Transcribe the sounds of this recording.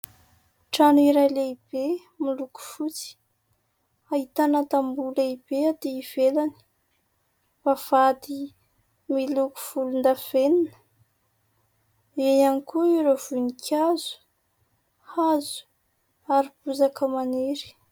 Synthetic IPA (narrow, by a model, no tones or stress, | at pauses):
ʈ͡ʂanuiɾajleib̥e | miluku̥fut͡si̥ | aɦit̪anat̪ambulaibead̪iiv̥elani̥ | v̥av̥ad̪i | miluku̥v̥ulund̪av̥eninə̥ | enanikuiɾov̥unikʰazu̥ | hazu̥ | aɾipuzakəmaneɾi̥